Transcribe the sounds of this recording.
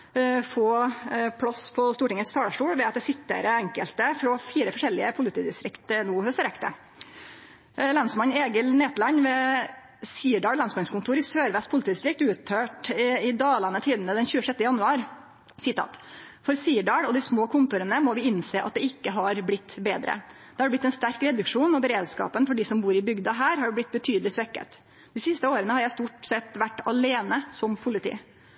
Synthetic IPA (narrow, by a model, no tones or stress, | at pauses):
foːpʰɽɑspʰɔst̪uːʈɪŋəsɑːɖɑʂʈuːɽʋɛːɑt̪̚d̪ɛsɪt̪ːə̰ɾɛŋkəlt̪əfɾɔfiːɾəfɔʂɛlɪəpʰʊlɪt̪ʰiːd̪ɪst̪ɾɪkt̪ənuːhœst̪əɾɛkt̪ə̰ | lɑnsmɑɲeːɡəlneːt̪lɑɲʋɛ | siːɖɑːlɑnsmɑnskʊnt̪ʰuːɾɪsøːɾʋɛspʰʊlɪt̪iːd̪ɪst̪ɾɪk̚t̪ʉːt̪øːʈɪd̪ɑːlɑnət̪ʰiːd̪n̩əd̪ɛnçʉːəʂɛt̪ːəjɑnʉɑːɾ | sɪt̪ʰɑ̰ːt̪ | fɔɾsiːɖɑːɽɔd̪ɪsmoːkʰʊnt̪ʊɾənəmɔʋɪɪnseːʔɑ̰t̪̚d̪ɛɪkːəɦɑɾblɪt̪ːbḛːd̪ɾə̰d̪̥ɛhɑɾɖɛblɪt̪ːɛnst̪æɾkɾɛd̪ʉkʂuːnɔbəɾeːd̪skɑ̰ːpənfɔɖisɔmbuːɾɪbʏɡd̪ɑɦæːɾɦɑɖblɪt̪̚ːbət̪ʰyːd̪əlɪsʋɛkːə̰t̪ | d̪̥ɪsɪst̪əoːɾənəhɑɾjæɪst̪uːʈsɛt̪ːʋæʈːɑleːnəsɔmpʰʊlɪt̪ʰḭː